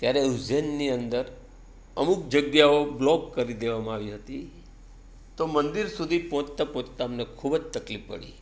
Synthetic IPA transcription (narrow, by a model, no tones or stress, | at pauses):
t̪jaɾeuzenːiənd̪əɾ | əmukd͡ʒəɡjaoblɔkːəɾid̪eʋamãaʋiɦət̪i | t̪omənd̪iɾsud̪ʱipɔ̃t͡ʃt̪apõt͡ʃt̪aəmnekʰubd͡ʒt̪əklifːə̰ɽḭ